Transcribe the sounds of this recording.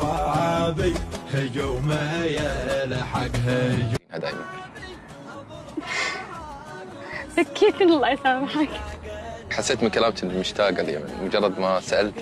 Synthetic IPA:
ɑʕabihad͡ʒowmajalaħaɡɦad͡ʒnhad̪a̰ːjman | sakʰːiːt̪ɪnɪlʔasaːmħaɡ | ħasːeːt̪mɪnkalaːmt̪mʊʃt̪aːɡalja̰ma̰nmʊd͡ʒɑrˤːɑd̪masaʔalt̪

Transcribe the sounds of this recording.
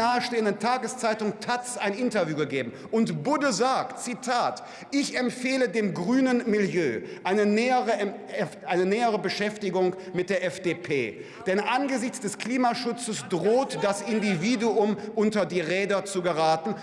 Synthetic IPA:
aːəʃteːəndəntʰaːɡəst͡saɪtʊŋtʰat͡sʔaɪnʔɪntɐvjuːɡəɡeːbm̩ʔʊntbʊdəzaːk̚tt͡sitʰaːt | ʔɪçɛmfeːlədeːmɡʁyːnənmɪljø̰ːʔaɪnənɛːəʁə | ɛʔaɪnənɛːəʁəbəʃɛftɪɡʊŋmɪt̚d̥eːɐʔɛfd̥eːpʰeː | d̥ɛnʔanɡəzɪçt͡sd̥ɛskl̥iːmaʃʊt͡səsd̥ʁoːtd̥asɪndiviːduʊmʔʊntɐdiːʁɛːdɐt͡suɡəʁaːtn̩

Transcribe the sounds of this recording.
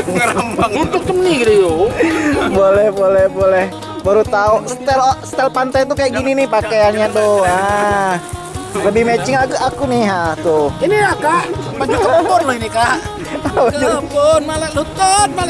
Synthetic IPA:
ut̪ʊk̚t͡ʃ̪əmniɡɾiu | bolɛhbolɛhbolɛh | baɾut̪aust̪ɛlsə̥t̪ɛlpant̪ajt̪ukajaʔɡininɪhpakejanɲat̪ʊha | ləbɪhmɛt͡ʃɪŋakuakunɪhɦaht̪ʊhiniakaʔat͡ʃakəlɔpɔrlainikaʔ | aapunmalalut̪anma

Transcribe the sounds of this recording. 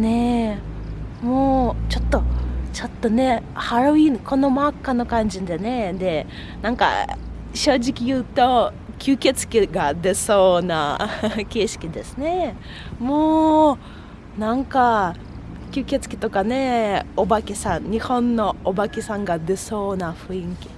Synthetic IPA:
ne | moːt͡ɕo̞t̪ːo̞t͡ɕo̞t̪ːo̞ne̞haɾo̞inko̞no̞makːano̞kãɲ̟d͡ʑind̪e̞ne̞d̪e̞ | nãŋka̰ | ɕo̞ːʑikʲijɯ̟ːt̪o̞ | kʲɨːkʲet͡sɨ̥kʲiɡad̪e̞so̞ːnake̞ːɕi̥kʲid̪e̞sɨne̞ | moː | nãŋka | kʲɨːkʲet͡sɨ̥kʲi̥t̪o̞kane̞obakʲisãŋɲihõ̞nːo̞ːbakʲisãŋɡad̪e̞so̞ːnaɸɯ̟ĩŋkʲi̥

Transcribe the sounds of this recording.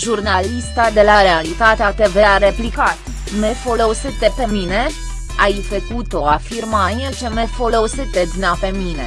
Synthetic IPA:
ʒurnalist̪ad̪e̞laɾealit̪at̪eat̪eveaɾe̞plikat̪ | mefo̞lo̞sɨt̪epe̞mine̞ | ajfəkut̪o̞afirmaniet͡ʃemefo̞lo̞sɨt̪ed̪nape̞mine

